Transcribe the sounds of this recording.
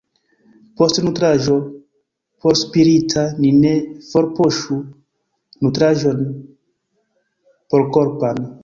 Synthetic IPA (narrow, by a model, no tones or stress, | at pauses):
po̞stnutɾaʒo̞ | poɾspiɾitʰaninefoɾpo̞ʃu | nutɾaʒo̞n | poɾkoɾpan